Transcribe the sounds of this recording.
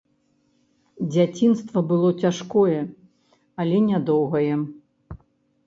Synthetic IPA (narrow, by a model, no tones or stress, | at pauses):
d͡zʲat͡sʲinst̪vɐbɨlˠɔt͡sʲaʂkɔjɛ | ɐlʲɛnʲad̪ɔwɣɐjɛ